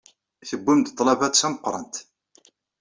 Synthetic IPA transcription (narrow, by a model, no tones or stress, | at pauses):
θəbːimt̪t̪ˤːlɑvæt͡sːæməqːɾˤənt̪